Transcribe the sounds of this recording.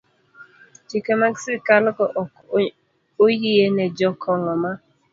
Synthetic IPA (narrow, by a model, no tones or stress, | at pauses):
t͡ʃikemaɡsɪkalkɔʔ | ojijened͡ʒɔkʰɔŋɔma